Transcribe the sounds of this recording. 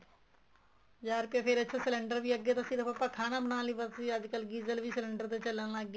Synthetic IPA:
d͡ʒaːɾpepʰɪɾɐtːʃʰasɪlẽɳɖəɾbʱiəɡjet̪asɪɾpɐpːakʰaːnabənaːlĩbəsiəd͡ʒkəlɡiːzəlbʱisɪlẽɳɖəɾt̪et͡ʃɐlənaɡ

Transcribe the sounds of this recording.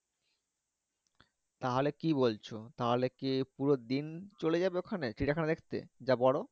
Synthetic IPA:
t̪aɦolekiβolt͡ɕʰot̪aɦolekipuɾod̪int͡ɕoled͡ʑabeokʰaneʈiʈakʰaned̪ekʰt̪ḛd͡ʑabɔɽo

